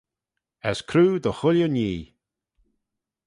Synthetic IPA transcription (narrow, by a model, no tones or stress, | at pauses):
ɛskʰɾuːd̪əxʊljəniː